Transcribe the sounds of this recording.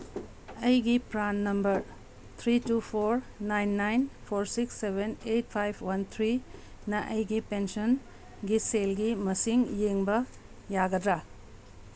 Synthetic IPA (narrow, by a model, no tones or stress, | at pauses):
ɐjɡipɾanːɐmbɐɾ | t̪ʰɾitupʰoɾnajnːajnpʰoɾsiksːeβenet̚pʰajpʰwɐnt̪ʰɾi | nɐʔɐjɡipenson | ɡiselɡimɐsiŋjeŋbɐ | jaɡɐd̪ɾa